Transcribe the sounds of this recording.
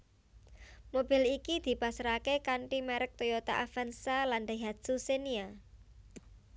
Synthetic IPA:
mobɪ̤likid̪̥i̤pasɾakekaɳʈimɛɾək̚t̪ojot̪a̰ʔafansaland̪aɦad̪susenia

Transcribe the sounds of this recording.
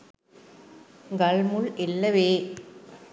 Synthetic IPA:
ɡɐɭmɯɭɪlːɐʋeː

